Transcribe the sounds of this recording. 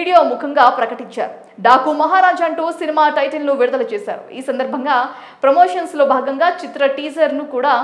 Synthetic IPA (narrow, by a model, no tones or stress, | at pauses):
ɽijoːmukʰɐŋɡaːpɾɐkɐʈiɲt͡ʃa̰ːɾu | ɖaːkuːmɐɦaːɾaːd͡ʒaːɐɳʈuːsinimaːʈɐjʈɐlnuʋiɾud̪ɐlɐt͡ʃɛːsa̰ːɾṵiːsɐnd̪ɐɾbʱɐŋɡaː | pɾɐmo̞ːʂɐnslo̞ːbʱaːɡɐŋɡaːt͡ʃit̪ɾɐʈiːd͡ʒɐɾnukuːɽaː